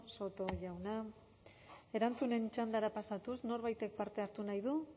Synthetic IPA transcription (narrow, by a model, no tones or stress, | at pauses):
so̞t̪o̞ʝawna | e̞ɾant͡sune̞nt͡ʃand̪aɾapasat̪usno̞ɾβajt̪e̞k̚paɾt̪e̞aɾt̪unajðu